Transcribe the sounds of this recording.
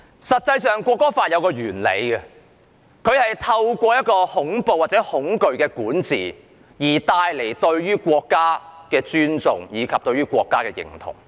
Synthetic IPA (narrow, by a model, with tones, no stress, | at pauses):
sɐ˨t̚t͡sɐ˧jsœː˨ŋkʷɔː˧kːɔː˥faː˧t̚jɐ˨˧wkɔː˧ɥyː˨˩nlḛ˨˧jɡɛ˧ | kʰɵ˨˧ɥhɐ˨jt̪ʰɐ˧wkʷɔː˧jɐ˥t̚kɔː˧hʊ˨˥ŋpo˨waː˨˩t͡sɛː˨˥hʊ˨˥ŋkɵ˨˧ɥkɛː˧kuː˨˥nt͡sḭː˨ | jiː˨˩t̪aː˧jle˨˩jt̪ɵ˧ɥɥyː˥kʷɔː˧kːaː˥kɛː˧t͡ʃyː˥nt͡sʊ̰˨ŋjiː˨˧kʰɐ˨p̚t̪ɵ˧ɥyː˥kʷɔː˧kːaː˥kɛː˧jɪ̰˨˩ŋt̪ʰʊ̰˨˩ŋ